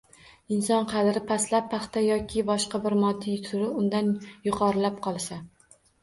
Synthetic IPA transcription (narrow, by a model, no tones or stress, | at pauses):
ɪnsɒnqʰɑd̪ɾɪpʰaslapːɑχt̪ʰajɒkʲʰɪbɒʃqabɪɾmɒd̪ːɪt̪ʰʊɾɪʊnd̪anjʊqʰɒɾɪlap̚qʰɒlˠsa